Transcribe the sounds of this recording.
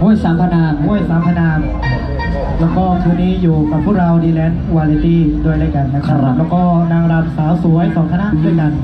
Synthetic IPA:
mu˥˩əjsaː˩˦mt̪ʰa˧naː˧nhu˦˥˩əjsaː˩˦mt̪ʰa˧naː˧n | lɛː˦˥wkɔː˥˩t̪ʰuː˧nːiː˦˥˩juː˨˩ka˨˩pʰːuː˥˩ɾa˧wdiː˧lɛː˦˧˥nwaː˧li˧t̪iː˥˩du˧˩əjlaː˧˥˩jka˧˩nːa˦˥˦lɛː˦˥wkɔː˥˩naː˧ŋɾaː˧nsaː˨˩˦wsu˨˩˦əjsɔː˨˦ŋt̪ʰa˧na˧˥ʔʰɯ˧˥˩ka˧˩n

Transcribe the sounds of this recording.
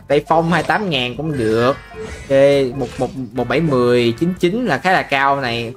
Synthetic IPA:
ɗa˧˩jfa˧wŋ͡mhaː˧jt̪aː˨˦mŋaː˨˩nkʊ̰˧˥˦ŋ͡mɗɨ˨˩ək̚e˨˦mo˨˩t̚mo˨˩t̚mo˨˩t̚ɓa˧˩jmɨ˨˩əjt͡ɕi˨˦nt͡ɕi˨˦nlaː˨˩xaː˨˦˥laː˨˩kaː˧wna˨˩j

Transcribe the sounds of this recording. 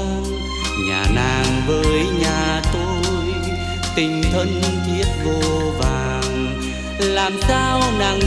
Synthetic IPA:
ɲaː˨˩naː˨˩ŋvəː˨˦jɲaː˨˩t̪o˧j | t̪ï˨˩ŋ̟t̪ʰə˧nt̪ʰi˦˥ət̚vo˧vaː˨˩ | ŋ | laː˨˩msaː˧wna˨˩ŋ

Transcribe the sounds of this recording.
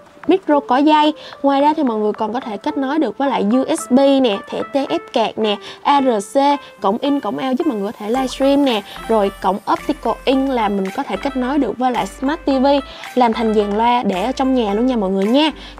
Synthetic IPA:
mi˦˥t̚zo˧kɔ˨˦za˧jŋwaː˨˩jzaː˧t̪ʰi˨˩mɔ̰˧˨jŋɨ˨˩əjkɔ˨˩nkɔ˨˦t̪ʰe˧˩ka˦˥t̚nɔ˨˦jɗɨ˨˩ək̚əː˨˦jla̰ː˧˨jzu˧ʔɛ˦˥sɓi˧nɛ˨˩t̪ʰḛ˧˩t̪e˧ʔɛ˦˥p̚kɛ˨˩k̚nɛ˨˩ʔaː˧zəː˨˩se˧ | kə̰˧˩wŋ͡mʔï˧ŋkə̰˧˩wŋ͡mʔaɛː˧wzɨ˦˥p̚mɔ̰˨jɔ˧˨t̪ʰlaː˧jsɾi˧mnɛ˨˩zo˨˩jkə̰˧˩wŋ͡mʔə˦˥p̚t̪i˧ko˧˩ʔï˧ŋ̟laː˨˩mï˨˩ŋ̟kɔ˨˦t̪ʰe˧˩kə˦˥k̚nɔ˨˦jɗɨ˨˩ək̚vəː˨˦jla̰ː˧˨jsmaː˦˥t̚t̪i˧vi˧ | laː˨˩mt̪ʰa˨˩jŋ̟zaː˨˩ŋlwaː˧ɗe˧˩ʔəː˧˦t͡ɕɔ˧wŋ͡mɲaː˨˩lu˧əŋɲaː˧˩mɔ̰˧˨jŋɨ˨˩əjɲaː˨˧˩

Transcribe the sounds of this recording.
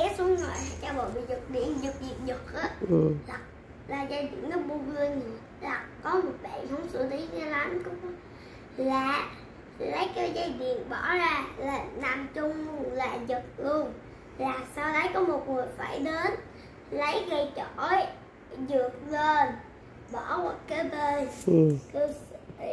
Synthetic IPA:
ɛ˨˦˥su˨˦nzo˨˧˩jhaː˨˩t͡ɕa˧wɓə̰˧˨jɓḭ˧˨zɨ˨˩k̚ɗḭ˧˨ənzɨ˨˩k̚zi˨˩ət̚zɨ˨˩k̚ʔaː˨˦˨la˨˩k̚ | laː˨˩zaː˧jɗḭ˧˨ənnɔ˨˦ɓu˧vɨ˧əɲi˨˩ | la˨˩kɔ˨˦mo˨˩t̚ɓa̰˧˨hə˧˩wŋ͡msɨ̰˧˨t̪i˨˦za˧la˨˦nkʊ˧˦ŋ͡m | laː˨˩ | lə˨˦jkaː˨˦jzaː˧jɗḭ˧˨ənɓɔ˧˩zaː˧laː˨˩naː˨˩mt͡ɕʊ˧ŋ͡mlaː˨˩zə˨˩t̚lu˧ən | laː˨˩saː˧wlə˨˦jkɔ˨˦mo˨˩t̚ŋɨ˨˩əjfaː˧˩jɗe˨˦n | lə˨˦jɣə˧jt͡ɕo˧˨˩j | zɨ˨˩ək̚ɣəː˧˩n | ɓɔ˧˩ɓɔ˨˩t̚kə˨˦ɓə˧nkə˧s

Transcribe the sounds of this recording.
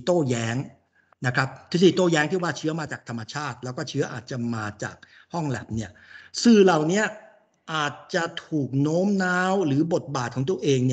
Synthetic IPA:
t̪oː˥˩jɛː˦˥ŋ | na˦˥kʰɾa˦˥p̚t̪ʰɯ˨˧˥s̬iː˨˧˩t̪oː˥˩jɛː˦˥ŋt̪ʰi˥˩waː˥˩t͡ɕʰɯ˦˥ɐ˩maː˧t͡ɕaː˨˩k̚t̪ʰa˧mːa˧t͡ɕʰaː˥˩t̪̚lɛː˦˥wkɔː˥˩t͡ɕʰɯ˦˥ɐʔa̰ː˨˩t̪̚t͡ɕa˨˩maː˧t͡ɕa̰ː˨˩k̚ | hɔ˥˩ŋlɛ̰˨˩p̚ni˥˩ɐsɯː˨˩la˨˩wni˦˥ɐ | ʔaː˨˩t̪̚t͡ɕa˨˩t̪ʰuː˨˩k̚noː˦˥mnaː˦˥wɾɯː˩˦bo˨˩t̪̚baː˨˩t̪̚kʰɔː˩˦ŋt̪u˧˩ɐʔeː˧ŋni˥˩ɐ

